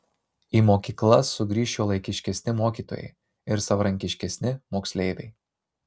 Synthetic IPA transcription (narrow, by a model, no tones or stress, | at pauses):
iːmoːkʲiːklˠɐsʊɡɾʲiːʃʲoːlˠɐɪkʲɪʃʲkʲɛsʲnʲɪmoːkʲiːt̪o̰ːjɛ̰ɪ | ɪɾsɐʋɐɾɐŋʲkʲɪʃʲkʲɛsʲnʲɪmoːksʲlʲeɪʋʲɛɪ